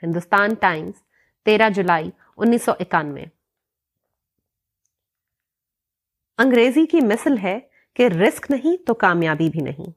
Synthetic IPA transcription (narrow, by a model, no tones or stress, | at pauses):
hɪ̃nd̪ʊst̪aːnʈaːɪ̃mz̥ | t̪eːɾad͡ʒʊlaːi | ʊnːiːsːɔʔɪkaːnmḛ̃ | ɐ̃ŋɡɾeːzikimɪsəlɦɛ | keɾɪsknɐɦĩt̪okaːmjaːbibʱinʔɐ̰ɦḭ̃ː